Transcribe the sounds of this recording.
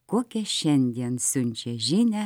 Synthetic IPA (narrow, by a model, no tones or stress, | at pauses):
kokʲeʃɛnʲd̪ʲeːnsunʲt͡ɕeʒinʲæ